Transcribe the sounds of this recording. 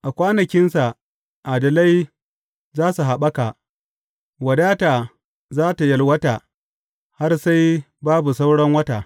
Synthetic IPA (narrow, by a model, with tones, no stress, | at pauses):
ʔa˨kʷaː˦nɐ˨kʲɪ˦nsa˨ | ʔaː˨dɐ˨la˦j | zaː˦su˨ɦa˨ɓɐ˦ka˨ | wɐ˨daː˦taː˨ | zaː˦ta˨jɐ˨lwɐ˦taː˨ | ha˦rsa˦j | baː˦bu˨sa˦wɽɐ˦ŋwɐ˦taː˨